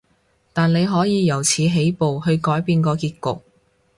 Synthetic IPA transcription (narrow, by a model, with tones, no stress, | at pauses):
t̪aː˨nle˨˧jɦɔː˨˥jiː˨˧jɐ˨˩wt͡sʰiː˨˧ɦe˨˥jpo˨whɵ˧ɥkɔː˨˥jpiː˧nkɔː˧kiː˧t̚kʊ˨k̚